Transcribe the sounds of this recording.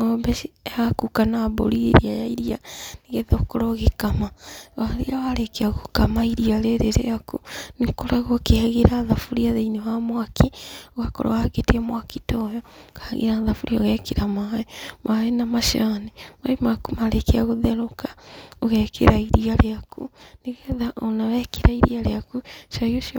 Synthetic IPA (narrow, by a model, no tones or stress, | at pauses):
ŋobeiakukanabo̰liɾiajaiɾianiɣeðaokoɾoɣikamawaɾiawaɾekeaɣukamaiɾialeɾeɾḛakunikoɾaɣokeaɣiɾaðafuɾiaðeinewamwakʰioɣako̰ɾo̰waketiamwakitojɔkaɣḛɾaðafuɾioɣɛkiɾamaemʔaenamaʃanemaimakumaɾekeaɣuðeɾokḁoɣekʰḛɾaiɾialeakuniɣeðaʔonawɛkeɾaiɾḭaɾeakuʃaioʃi